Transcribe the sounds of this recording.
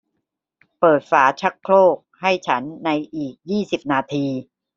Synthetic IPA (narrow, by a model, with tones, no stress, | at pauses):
pɤː˨˩t̪̚faː˩˦t͡ɕʰa˦˥kʰloː˥˩k̚ha˥˩jt͡ɕʰa˦˥nːa˧jʔiː˨˩k̚jiː˥˩si˨˩p̚naː˧t̪ʰiː˧